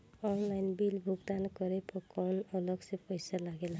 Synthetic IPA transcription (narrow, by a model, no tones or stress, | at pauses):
ɔnlajnbilbʱuɡd̪ankɔɾepɔkɔnɔlɔɡsẽpɔjsalaɡela